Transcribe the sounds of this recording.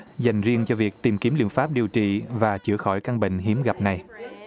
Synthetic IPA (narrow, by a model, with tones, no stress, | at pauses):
za˨˩jŋ̟zi˧əŋt͡ɕɔ˧vi˨˩ək̚t̪i˨˩mki˨˦əmlḭ˧˨ənfaː˦˥p̚ɗi˨˩əwt͡ɕḭ˧˨vaː˨˩t͡ɕɨ˧˩əxɔ˧˩jka˧ŋɓḭ˧˨ŋ̟ɦi˨˦əmɣa˨˩p̚na˨˩j